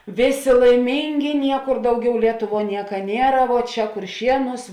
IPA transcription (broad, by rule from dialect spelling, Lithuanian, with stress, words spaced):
ˈʋʲeːˌsʲeː lˠɐɪˈmʲiːŋʲɡʲɪ ˈnʲiɛkʊr ˈdɐʊˌɡʲɛʊ lʲiɛˈtʊˌʋuɔ ˈnʲiɛkɐ ˈnʲiɛrɐ ʋuɔ ˈt͡ʃʲɛ kʊrʲˈʃʲiɛnuːs